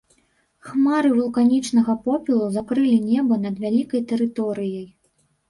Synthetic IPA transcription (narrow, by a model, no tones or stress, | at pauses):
xmaɾɨvulˠkanʲit͡ʂn̪ɐɣɐpɔpʲilˠuzakɾɨlʲinʲɛbɐnɐd̪vʲalʲikɐjt̪ɛɾɨt̪ɔɾɨjɐj